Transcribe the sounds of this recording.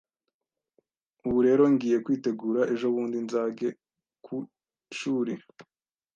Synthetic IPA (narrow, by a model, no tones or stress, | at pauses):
uβuɾe̞ːɾo̞ŋɡiːje̞kwiːte̞ɡuːɾaʔe̞ʒo̞βuːndinzaːɡe̞ | kʰu | ʃuːɾi